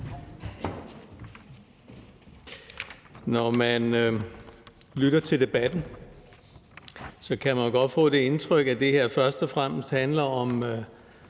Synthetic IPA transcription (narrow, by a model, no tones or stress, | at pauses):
nɒmæn | lyɾ̥ɐt͡sʰe̝ld̥e̝b̥æd̥n̩ | sɒ̽kʰæmænoɡ̥ɒ̽d̥fɔ̰̽ːd̥e̝e̝nt͡sʰʁœɡ̥æd̥e̝heɐ̰fɶɐsd̥ɒfʁam̰əsd̥hænlɐɒ̽m